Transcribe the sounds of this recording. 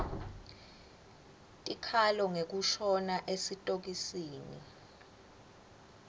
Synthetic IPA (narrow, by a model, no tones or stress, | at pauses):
tʼikʰalɔŋek̬uʃɔnaʔesitʼok̬isiːnḭ